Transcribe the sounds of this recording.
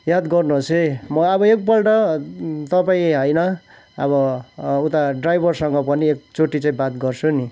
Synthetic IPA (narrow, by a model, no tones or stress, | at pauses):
jad̪ɡʌrnuɦosemʌʌbʌek̚bʌlʈʌt̪ʌpaĩɦʌjnʌ | ʌβʌut̪aɖrajbʱʌrsʌŋɡʌpʌniek̚t͡soʈːit͡saĩbat̪ɡʌrt͡sʰuni